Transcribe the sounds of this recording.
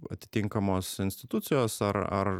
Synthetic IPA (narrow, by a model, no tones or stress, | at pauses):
ɐ̰t̪ʲɪ̥t̪ʲɪŋkɐmoːsɪnʲsʲt̪ʲɪt̪ʊt̪sʲɪjoːsɐɾɐ̰ɾ